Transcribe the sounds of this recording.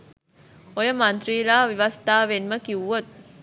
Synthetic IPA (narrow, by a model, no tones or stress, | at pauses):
ojəmant̪ɾiːlaːʋiʋast̪aːʋenməkiʋuʋot̪̚